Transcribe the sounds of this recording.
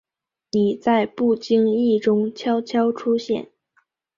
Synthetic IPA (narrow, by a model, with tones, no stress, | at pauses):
ni˨˩t͡sa˥˧ɪpu˥˩t͡ɕi˥ŋi˥˩ʈ͡ʂʊ˥ŋt͡ɕʰjɑ˥ʊt͡ɕʰjɑ˥ʊʈ͡ʂʰu˥ɕjɛ̰˥˩n